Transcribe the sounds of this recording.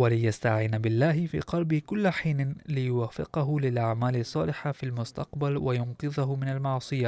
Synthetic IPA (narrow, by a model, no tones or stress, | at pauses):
walɪjast̪aʕiːnabɪlːaːɦɪfḭːqɑlbɪhkʊlːaħiːnlɪjʊwaːfːɪ̰qɑɦʊlɪlʔaʕmaːlɪsˤːɑːlɪħafilmʊst̪ɑqbalwajʊnqɨðaɦʊmɪnalmɑʕsˤɨja